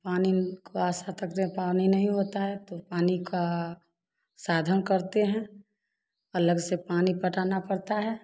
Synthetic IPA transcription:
paːnikʰoaːsat̪əkt̪ẽpaninɐɦĩɦot̪aɦɛt̪opaːnika | saːd̪ʱənkəɾt̪eɦɛ̃ | ələɡsepaːnipəʈaːnapəɽt̪aɦɛː

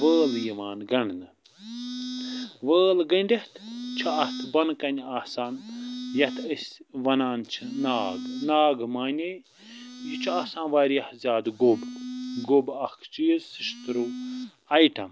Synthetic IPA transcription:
ʋəːljimaːnɡɐɳnɨ | ʋəːlɡɐɳɖʲeht̪ʰt͡ʃʰiɐht̪ʰbɐnkɐnʲaːsaːnjɐt̪ʰəsʲʋɐnaːnt͡ʃʰinaːɡnaːɡmaːnʲe | jit͡ʃʰaːsãːnʋaːɾjɐhzʲaːd̪ɡobɡobɐkʰt͡ʃijzsɨʃt̪ɾu | ɐjʈɐm

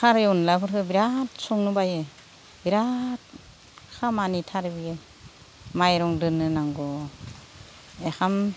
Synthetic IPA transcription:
kʰaɾeunlapʰɯɾkʰɯbiɾatsɔŋnubaje | biɾat̚ | kʰamanitʰaɾɯbie | majɾɔŋdɯnɯnaŋɡɔ | exam

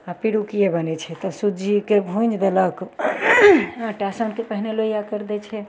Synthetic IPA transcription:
apiɽukijebənɛt͡ʃʰɛt̪ɔsud͡ʒikebʱũd͡ʒd̪elək | ʈasənkepəɦineloijakəɾd̪ɛt͡ʃʰɛ

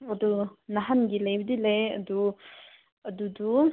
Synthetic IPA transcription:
ɐdunaɦanɡilejbidilejɐ̰du | ɐdudu

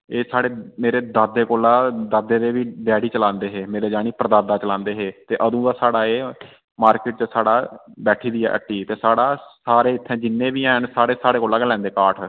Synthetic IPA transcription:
eːsaːɽeːmeːɾeːd̪aːd̪eːkoːlaːd̪aːd̪eːd̪eːʋiːɖɛːɽiːt͡ʃəlãːnd̪eːɦeːmeːɾeːd͡ʒaːniːpɾəd̪aːd̪aːt͡ʃəlãːnd̪eːɦeːt̪eːʔəd̪ũːd̪aːsaːɽaːeː | maːɾkɪʈ̚t͡ʃəsaːɽaːbɛːʈʰiːd̪iːɛ̰ːʔəʈːiːt̪eːsaːɽaːsaːɾeːɪt̪ʰːɛ̃ːd͡ʒɪnːẽːʋiːãːɦənsaːɽeːsaːɽeːkoːlaːɡəlɛ̃ːnd̪eːkaːʈʰ

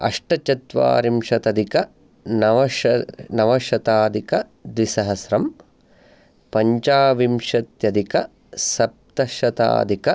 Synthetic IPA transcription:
ɐ̰ʂʈɐt͡ʃɐt̪ʋa̰ːɾimʂɐt̪ɐd̪ʱikɐ | nɐʋɐʃɐnɐʋɐʃɐt̪aːd̪ikɐ | d̪ʋisɐɦɐsɾɐm | pɐɲt͡ʃaːʋimʂɐt̪jɐd̪ʱikɐ | sɐp̚t̪ɐʃɐt̪a̰ːd̪ʱikɐ

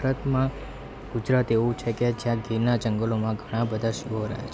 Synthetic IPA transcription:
ɾət̪mã | ɡ̥ud͡ʒɾat̪eʋũt͡ʃʰeked͡ʒjãɡinad͡ʒəŋɡəlomãɡʱəɽ̃ãbəd̪ʱaʃuɦoɾə̰ɦja̰t͡ʃʰ

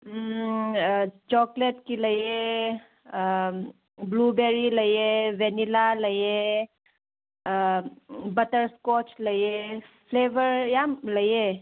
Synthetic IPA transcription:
t͡ʃɔkleʈkiləje | blubeɾiləjeʋɛnilaləje | bətəɾskɔt͡ʃləjefʰleːʋəɾjamləje

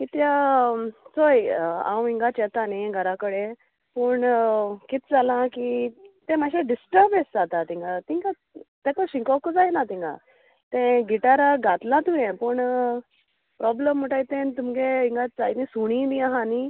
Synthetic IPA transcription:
kit̪ja | t͡sojã̰wĩŋɡat͡ɕɛt̪aneɡʱəɾakəɽe | pəɳkit̪̚d͡zalãkit̪ẽmaɕ̬ẽɖisʈəɾbesd͡zat̪at̪ĩŋɡat̪iŋɡa | t̪ãkəɕĩŋkɔkd͡zajnat̪ĩŋɡa̰ | t̪ẽɡiʈaɾaɡat̪lãt̪ujɛ̃pəɳ | pɾɔbləmːəʈajt̪ẽnt̪umkeiŋɡad͡zajinĩsuɽ̃iniaɦani

